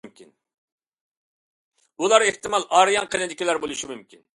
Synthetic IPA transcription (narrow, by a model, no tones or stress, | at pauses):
mkʲin | ulˠɑɾeht̪ɪmɑlˠʔɑɾjɑnqʰənɪd̪ɪkʲilæɾbolˠuʃimymkʲʰin